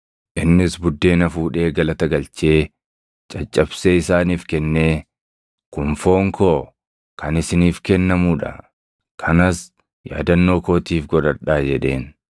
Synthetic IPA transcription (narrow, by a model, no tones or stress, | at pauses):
ʔɪnːɪsbʊd̪ːe̞ːnɐfuːᶑe̞ːɡɐlɐt̪ɐɡɐlt͡ʃe̞ː | t͡ʃʼɐt͡ʃʼːɐbseːɪsaːniːfkɛnːe̞ː | kʊɱfo̞ːŋkoː | kʰɐnɪsɪniːfkɛnːɐmuːᶑɐ̰ | kʰɐnɐs | ja̰ːd̪ɐnːoːko̞ːt̪iːfɡɔᶑɐɾᶑaːd͡ʒɛᶑe̞ːn